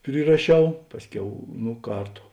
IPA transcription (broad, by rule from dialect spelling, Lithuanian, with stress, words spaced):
pʲrʲɪrɐˈʃʲɛʊ ˈpɑːsʲˌkʲɛʊ ˈnoː ˈkɐrˌtʊ